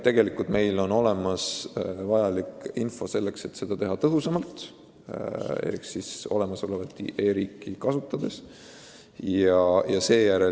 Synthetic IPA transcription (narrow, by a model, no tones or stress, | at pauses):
t̪e̞ɡ̥e̞likːˑult̪me̞jlo̞no̞le̞mɑsvɑjɑlikinfo̞se̞lːe̞kse̞t̪se̞d̪̥ɑt̪eɦɑt̪ɤɦusɑmɑlt̪ | ḛksiso̞̰le̞mɑsolevɑt̪ːˑḭʔe̞ːɾiːkːikɑsut̪ːˑɑd̪̥e̞s | jɑjɑse̞ːjæɾe